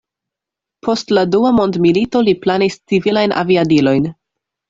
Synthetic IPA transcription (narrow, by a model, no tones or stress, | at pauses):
pʰo̞stladuamo̞ndmilito̞liplanist͡sivilajnʔa̰viadilo̞jn